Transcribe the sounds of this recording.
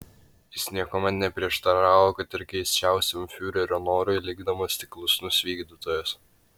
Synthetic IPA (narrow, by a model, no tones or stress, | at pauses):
jɪsʲnʲiɛkomɐt̪nʲɛpʲɾʲiɛʃt̪ɐɾɑːʋoːkɐt̪ɪɾkʲɛɪsʲt͡ʃʲæˑʊsʲɛmʲfʲuːɾʲɛɾʲɔnoːɾʊɪlʲɪɡd̪ɐmoːst̪ʲɪklˠʊsʲnʲʊsʋʲiːɡd̪ʲit̪oːjɛs